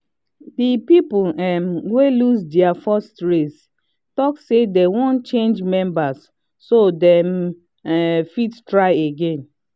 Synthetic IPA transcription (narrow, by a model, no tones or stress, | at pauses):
dipipɛmwelusdɛafɔstɹes | tɔksedewɔ̃nt͡ʃẽnd͡ʒmɛ̃mbasː | odɛm | fittɹaɪeɡẽn